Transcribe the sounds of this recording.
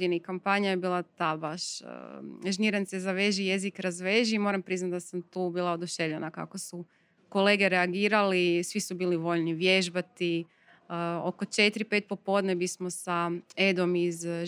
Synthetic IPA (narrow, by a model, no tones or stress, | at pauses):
d̪inikampaɲajebiːlˠat̪abaʃ | ʒniɾansezaʋe̞ʒijezikɾazʋeʒiːmo̞ːɾampɾiznat̪̚d̪asamt̪uːbiːlˠaod̪uʃe̞ʋʎenaka̰ko̞su | ko̞le̞ːɡeɾeaɡiːɾalisʋisubiːliʋo̞ʎniʋjeʒbat̪i | okot͡ʃe̞t̪ɾipe̞ːt̪̚popo̞d̪nebismo̞saed̪o̞miz